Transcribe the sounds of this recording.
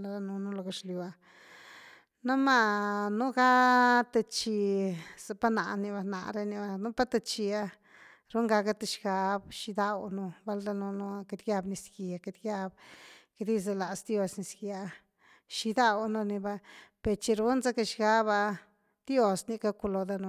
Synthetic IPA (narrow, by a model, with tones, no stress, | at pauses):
la˧ɾa˧nu˧nu˦lo˧ɡa˧ʃlju˧a˧ | nu˦ma˧nu˦ɡa˦t̪e˧t͡ʃi˧za˧˨pa˦na˨ʔni˧βa˧na̰˧ʔɾe˧ni˧ba˧nu˦pa˦t̪e˧t͡ʃi˧a˧ | ɾu˦ŋɡa˧ka˦t̪e˧ʃɡa˧bʃi˧d̪a˧wnu˧ba˧ld̪a˧nu˧nu˧a˧ke˧t̪ɡja˧bni˧ski˨a˧ke˧t̪ɡja˧bke˧d̪i˦za˧la˨sd̪jo˧sni˧skja˧ | ʃi˧d̪a˦˧wnu˧ni˧ba˧pe˨ɾt͡ʃi˧ɾu˦nza˦ke˧ʃɡa˧˦ba˧ | d̪̥jo˧sni˧ka˧ku˧lo˧d̪a˧nu˧